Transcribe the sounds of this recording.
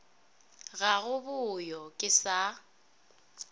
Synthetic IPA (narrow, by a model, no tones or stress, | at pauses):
ɣaɣʊbʊjɔkʼɪsa